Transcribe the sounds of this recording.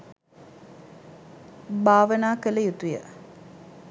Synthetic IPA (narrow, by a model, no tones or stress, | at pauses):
baːʋənaːkələjut̪ujə̰